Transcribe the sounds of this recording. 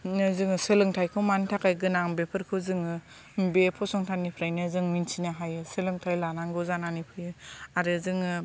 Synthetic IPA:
nɯzɯŋɯsɯlɯŋtʰajkʰɯwmantʰakajɡɯnaŋbepʰɯɾkʰɯwzɯŋɯ | mbepʰɔsɔŋtʰanipʰɾajnɯzɯŋminsʰinaɦajɯsɯlɯŋtʰajlanaŋɡɯzananipʰɯjɯaɾɯzɯŋɯ

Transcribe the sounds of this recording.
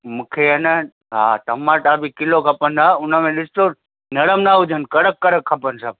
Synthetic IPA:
mũkʰeənə | ɦa̰t̪ɐmãʈabikɪlokʰɐpənd̪aʊnəmẽlɪst̪o | nɐɽəmnaud͡ʒʱənkɐɽəkːɐɾəkʰːɐpənsəb̚

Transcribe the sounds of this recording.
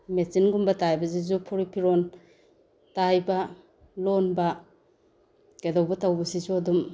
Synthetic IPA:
met͡ʃinɡumbɐtajbɐz̬izupʰuɾipʰiɾon | tajbɐ | lonbɐ | kedawbɐtawbɐsizuadum

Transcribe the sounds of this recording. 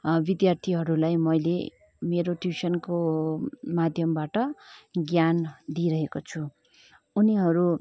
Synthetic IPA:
bid̪jart̪ʰiɦʌɾulajmʌjlḛ | meɾoʈjusʌnko | mad̪ʱjʌmbaʈʌɡjand̪iɾʌɦekot͡sʰuː | niɦʌɾu

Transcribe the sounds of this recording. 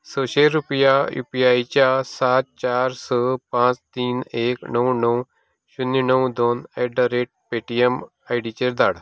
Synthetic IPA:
soːʃelɾupjajṵːpiaːit͡ʃaːsaːt̪̚t͡ʃaːɾsəːpãːt͡ʃt̪iːneːknəũnəũ | ʃʊnːinəũd̪oːneːɖəɾeːʈ̚peːʈiem | aiɖiːt͡ʃeɾd̪aːɽ

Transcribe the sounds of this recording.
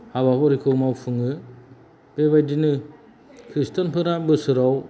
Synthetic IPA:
haβapɔɾikʰɯwmawpʰɯŋɯ | b̥eβajdinɯ | kʰɾistanpʰɯɾabɯsɯɾaw

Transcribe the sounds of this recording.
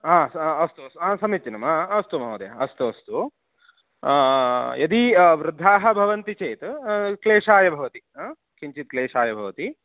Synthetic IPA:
ãːsɐst̪uɐst̪uãːsɐmit̪t͡ʃɐnɐmɐɐst̪umɐɦɐd̪ɐjɐ̰ɐst̪uɐst̪u | jɐd̪iʋɾɪd̪ʱːaːɦɐbʱɐʋɐnt̪it͡ʃeːjt̪ukleːʂaːjɐbʱɐʋɐt̪i | kʰiɲt͡ʃit̪̚kleːʂaːjɐbʱɐʋɐt̪i

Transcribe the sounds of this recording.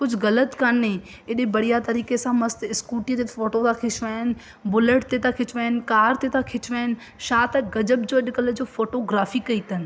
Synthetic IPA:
kʊd͡ʑʱʊɣɐlət̪kanːẽ | ɗẽbɐɽ̤ijat̪ɐɾiːkesãmɐst̪ɪskuːʈijət̪efoːʈot̪ʰãkʰɪt͡ʃʋaːɦɪn̆ | bʊləʈt̪et̪ʰakʰɪt͡ʃʋaːɦɪnkaːɾt̪et̪ʰãkʰɪt͡ɕʋaːɪn | ʃaːt̪ɐɡɐd͡ʑəbd͡ʑoːɐɗkɐld͡ʑoːfoːʈoɡɾaːfikɐit̪ʰɐnɪ̆

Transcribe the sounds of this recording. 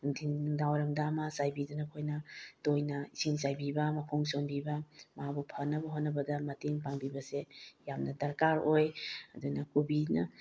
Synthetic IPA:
nuŋtʰiŋuŋdawɾɐŋdamɐsajbidanɐkʰojnɐtojnɐisinsajbibɐmɐkʰoŋsombibɐmɦabupʰɐnːɐbɐɦotnɐbɐdɐmɐteŋpaŋbibɐsejamnɐdɐɾkaɾojɐdunɐkubinɐ

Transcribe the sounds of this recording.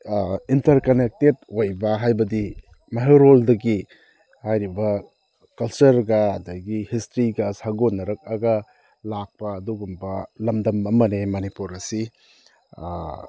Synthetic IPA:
intɐɾkɐnek̚tet̚ojbɐɦajbɐdi | maɦeɾoldɐɡi | hajɾibɐ | kɐlt͡ʃɐɾɡɐːdɐɡihistɾiɡashaɡonːɐɾɐk̚ɐɡɐ | lak̚pɐːduɡumbɐlɐmdɐmɐmɐnemɐnipuɾɐsi

